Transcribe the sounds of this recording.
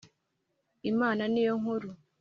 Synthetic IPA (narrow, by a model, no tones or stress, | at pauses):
imaːnanijoŋuɾu